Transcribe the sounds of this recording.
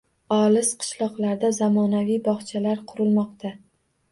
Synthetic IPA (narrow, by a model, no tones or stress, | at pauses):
ɒlɪsqʰɨ̥ʃlˠɒqlˠaɾd̪azamɒnavijbɒχt͡ʃʰalaɾqʰʊɾɪlmɒqt̪ʰa